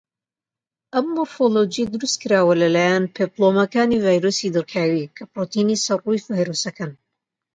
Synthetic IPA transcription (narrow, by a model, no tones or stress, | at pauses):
ʔɐmːoɾfolod͡ʒijd̪ɨɾust̪̚kɨɾaːwɐlɐlaːjanpʰeplˠomɐkaːnivajɾosid̪ɨrkʰaːwikʰɐpɾot̪inisɐrujvaːjɾosɐkan